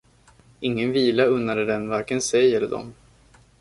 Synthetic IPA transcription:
ɪŋːənviːlaɵnːad̪əd̪ɛnvaɾkənsɛjɛlːəd̪ɔ̰m

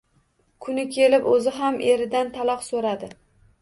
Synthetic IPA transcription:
kʰʊnɪkʲʰe̞lɪpɵzɪɦamʔeɾɪd̪ant̪ʰalˠɒqsoɾad̪ɪ

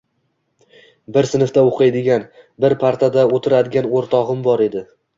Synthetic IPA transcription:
bɪɾsɪnɪft̪aoqʰɨjd̪ɪɡʲanbɪɾpʰaɾt̪ʰad̪aot̪ʰɪɾad̪ɪɡʲanoɾt̪ʰɒʁɨmbɒɾe̞d̪ɪ

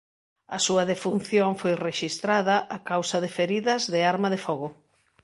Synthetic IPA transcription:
ɐsuɐðefun̟θjoŋfojreʃist̪ɾaðɐʔakawsɐðefeɾiðɐzðɪaɾmaðefɔɣʊ

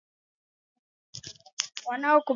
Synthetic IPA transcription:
wanawɔku

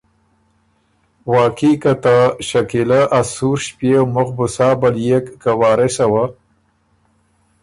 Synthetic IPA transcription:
wɑːkikat̪aʃakilaʔasuɾʃpewmʊxbʊsɑːbaljekːawɑːɾɪsawa

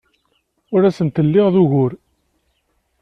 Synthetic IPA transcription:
ʊɾæsənt̪əlːɪʁðuɣʊɾ

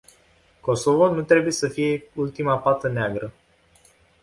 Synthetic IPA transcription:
ko̞sovonut̪ɾe̞buje̞səfije̞ult̪imapat̪əneaɡɾə

